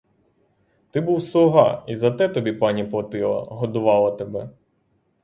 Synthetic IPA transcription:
t̪ɪbuwsʊɦɑ̰izɐt̪ɛt̪ɔbʲipɑnʲipɔt̪ɪlˠɐ̰ɦɔd̪ʊʋɑlˠɐt̪ebɛ

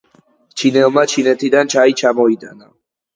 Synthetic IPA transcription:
t͡ʃʰinɛlˠmat͡ʃʰinɛt̪ʰid̪ant͡ʃʰait͡ʃʰamɔid̪a̰na

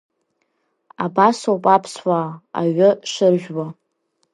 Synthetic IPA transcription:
abasopʼapʰswaːaɥʊʂɨrʒᶣwa

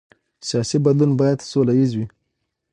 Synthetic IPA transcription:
sijɑsibad̪lunbɑjad̪solajizwi

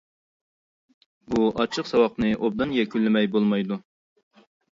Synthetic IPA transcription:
buɑt͡ʃʰəqsɑwɑqnɨʔob̚d̪ɨnjɛkʲylːɪmɛjbolˠmɑjd̪u

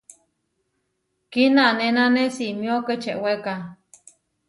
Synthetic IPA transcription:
kinanenanesimjoket͡ʃeʔweka

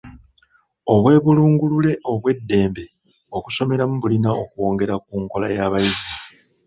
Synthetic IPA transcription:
o̞βwe̞ːβuluːŋɡulule̞ʔo̞βwe̞dːe̞ːmbe̞ | o̞kuso̞me̞ɾamuβulinao̞kuo̞ːŋɡe̞ɾak̚uːŋko̞lajaːβaizi

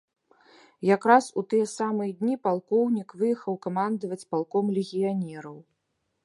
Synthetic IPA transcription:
jakɾasut̪ɨjɛsamɨjɛd̪ʲnʲipalˠkɔwnʲikvɨjɛxɐwkamand̪ɐvɐt͡sʲpalˠkɔmlʲɛɣʲijanʲɛɾɐw

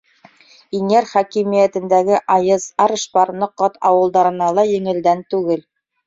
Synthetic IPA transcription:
iŋæɾχækimijæt̪ɘ̆nd̪æɡɘʔɑjɤzɑɾɤ̆ʃpɑɾnɤ̆qːɑt̪ʰɑwɤ̆lˠd̪ɑɾɤ̆nɑlˠɑjɘ̆ŋɘ̆ld̪ænt̪ʉɡɘl

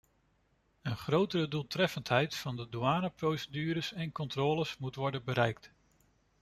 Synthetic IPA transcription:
ənχrowtərədulˠtrɛfəntɦɛjtfɑndəduaːnaprowsədyːɾəsɛnkɔntrɔːləsmutʋɔɹdənbəɾɛjk̚t

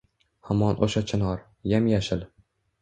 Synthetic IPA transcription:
hamɒnʔo̰ʃat͡ʃʰɪnɒɾ | jamjaʃɪl

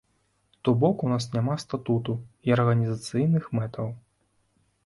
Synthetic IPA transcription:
t̪ɔbɔkunasnʲamast̪at̪ut̪uiɐrɣɐnʲizat̪sɨjnɨxmɛt̪ɐw

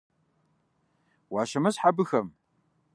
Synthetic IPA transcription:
waʃɐmɨsħabɨxɐm

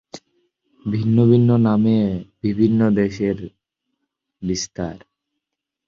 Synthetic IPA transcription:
bʱinːobʱinːonamebibʱinːod̪eʃeɾ | bist̪aɾ

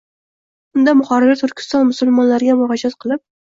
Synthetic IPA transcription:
ʊnd̪amʊχɒɾɪɾat̪ʰʊɾkʲʰɪ̥st̪ɒnmʊsʊlˠmɒnlaɾɪɡʲamʊhɑd͡ʒat̪qʰɨlˠɪp̚

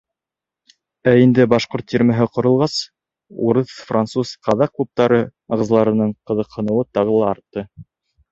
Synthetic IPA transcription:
æind̪ɘbɑʃqoɾt̪ːʲiɾmæɦɘqŏɾɤ̆lˠʁɑs | ṵɾɤθfrant̪susqɑðɑq̚klˠup̚t̪ɑɾɤɑʁɤ̆zlˠɑɾɤ̆nɤɴqɤ̆ðɤ̆qhɤ̆nɤ̆wɤt̪ɑʁɤ̆lˠɑːɾt̪ːɤ

